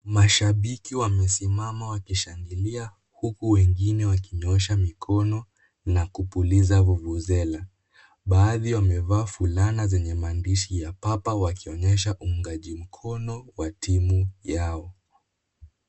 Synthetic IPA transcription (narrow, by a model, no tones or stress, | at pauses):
maʃaɓikiwamɛsimamawakiʃaŋɡilia | hukuwɛŋɡinɛwakiɲɔʃamikʰɔnɔ | nakupulizavuvuzɛla | ɓaːðiwamɛvaːfulanazɛɲɛmaːndiʃijapapawakiɔɲɛʃ̬aʔuŋɡaʄim̩kʰɔnɔwatimujaɔ